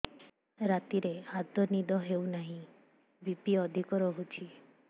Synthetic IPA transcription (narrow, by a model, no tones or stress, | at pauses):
ɾat̪iɾead̪ɔnid̪ɔɦeunaɦĩ | bipiɔd̪ʱikɔɾɔɦut͡ʃʰi